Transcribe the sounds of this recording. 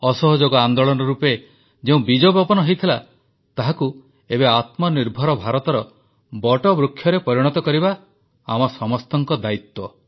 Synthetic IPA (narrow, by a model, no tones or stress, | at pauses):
ɔsɔɦod͡ʒoɡɔand̪oɭɔnɔɾupe | d͡ʒeũbid͡ʒɔbɔpɔnɔɦejt̪ʰila | t̪aɦaku | ebeat̪mɔniɾbʱɔɾɔbʱaɾɔt̪ɔɾɔ | bɔʈɔbɾukʰːjɔɾepɔɾiɽ̃ɔt̪ɔkɔɾiba | amɔsɔmɔst̪ɔŋkɔd̪ait̪wɔ